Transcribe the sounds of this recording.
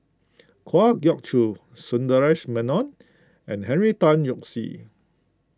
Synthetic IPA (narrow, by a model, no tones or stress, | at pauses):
kʰwaɡjɔk̚tʰu | sɔ̃ndəɹɛʃmɛ̃nɔ̃n | ɛ̃nhɛ̃nɹitãnjɔksḭ